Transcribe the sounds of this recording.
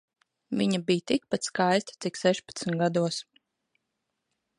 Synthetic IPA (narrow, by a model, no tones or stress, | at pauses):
vʲiɲabijt̪ik̚pat̪skajst̪ḁt̪siksɛʃpḁt̪smɡad̪uɔs